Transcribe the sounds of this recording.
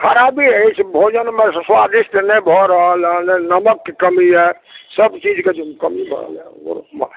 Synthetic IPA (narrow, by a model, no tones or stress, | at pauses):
kʰəɾabiəjt͡ʃʰbʱod͡ʒənmeswad̪isʈʰnɛbʱɔɾəɦəlɦənɛnəməkːekəmiɦɛ | səbt͡ʃid͡ʒked͡ʒkəmibʱə̰lo̰ɾma̰